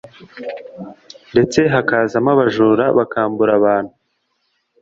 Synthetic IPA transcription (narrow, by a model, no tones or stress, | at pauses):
nde̞t͡se̞ɦakaːzamaβaʒuːɾaβakaːmbuɾaβaːn̥hu